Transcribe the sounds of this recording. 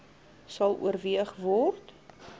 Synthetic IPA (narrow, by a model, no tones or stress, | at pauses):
sɐlˠṵərviəχvɔrt